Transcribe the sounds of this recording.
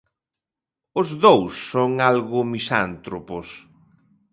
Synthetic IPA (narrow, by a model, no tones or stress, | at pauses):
ʊzðowsːoŋalɣʊmisa̰nt̪ɾopʊs